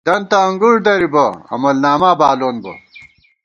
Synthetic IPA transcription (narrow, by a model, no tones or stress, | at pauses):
d̪̥ɐnt̪ɐɐŋɡuɽd̪ɐɾibɐɐ̰mɐlnaːmaːbaːloːnbɐ̰